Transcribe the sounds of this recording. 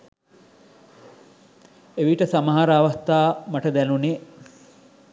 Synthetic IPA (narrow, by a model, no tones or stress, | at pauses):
eʋiʈəsamaɦaɾəaʋast̪aːmaʈəd̪ænune